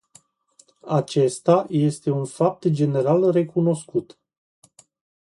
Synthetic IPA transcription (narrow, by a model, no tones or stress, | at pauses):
at͡ʃe̞st̪aje̞st̪e̞unfap̚t̪d͡ʒe̞ne̞ɾalre̞kuno̞skut̪